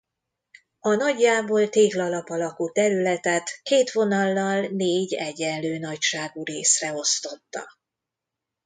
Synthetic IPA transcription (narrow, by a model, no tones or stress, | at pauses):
ɒnɒɟːaːboːlt̪eːɡlɒlɒpɒlɒkut̪ɛɾylɛt̪ɛt̪keːt̪ʋo̞nɒlːɒlneːɟɛɟɛnløːnɒcʃaːɡuɾeːsrɛo̞st̪o̞t̪ːɒ̰